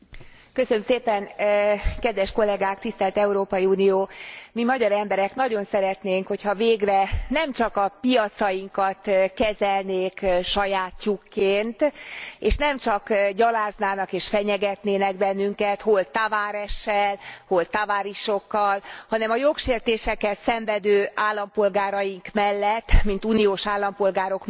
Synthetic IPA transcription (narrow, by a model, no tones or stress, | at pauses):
køsønømseːpɛn | kɛd̪ʋɛʃko̞lːɛɡaːkt̪ist̪ɛlt̪ɛuɾoːpɒjiuːnijoːmimɒɟɒɾɛmbɛɾɛknɒɟo̞nsɛɾɛt̪neːŋkho̞chɒveːɡrɛnɛmt͡ʃɒkɒpijɒt̪sɒjiŋkɒt̪kɛzɛlneːkʃɒjaːt̪jukːeːnt̪eːʃnɛmt͡ʃɒkɟɒlaːznaːnɒkeːʃfɛɲɛɡɛt̪neːnɛɡ̚bɛnːyŋkɛt̪ho̞lt̪avaːɾɛʃːɛlho̞lt̪avaːɾiʃo̞kːɒlhɒnɛmɒjo̞kʃeːrt̪eːʃɛkɛt̪sɛɱvɛd̪øːaːlːɒmpo̞lɡaːɾɒjiŋkmɛlːɛt̪ːmint̪unijoːʃaːlːɒmpo̞lɡaːɾo̞k